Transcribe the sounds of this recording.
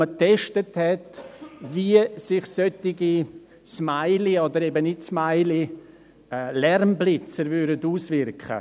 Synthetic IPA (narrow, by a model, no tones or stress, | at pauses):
ətʰɛʃtəthɛtviəsɪχsøtɪɡi | smaɪliodəɾebənɪtsmaɪli | lɛrmblɪt͡səɾvyɾdətuːsvɪɾkχə̰